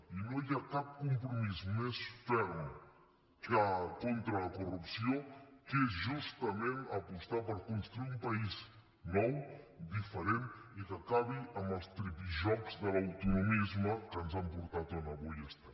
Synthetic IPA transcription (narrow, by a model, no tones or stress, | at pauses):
inojiakap̚kumpɾumizmesfɛɾm | kakont̪ɾələkurupsiokezʒust̪əmenəpust̪apəɾkunst̪ɾuiumpəiz | nɔw | d̪ifəɾenikəkaβiəmbəlˠst̪ɾipiʒɔkzðəlɐwt̪unumizməkənzampuɾt̪at̪ənəβojɛst̪a